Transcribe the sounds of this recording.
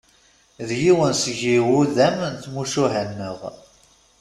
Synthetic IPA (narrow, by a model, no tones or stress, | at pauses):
ðjiwənsəʝiwuðæmnθmuʃuɦænːəʁ